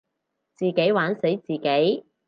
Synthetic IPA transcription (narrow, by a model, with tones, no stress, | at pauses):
t͡siː˨˩ke˨˥jwaː˨˥nse˨˥jt͡siː˨ke˨˥j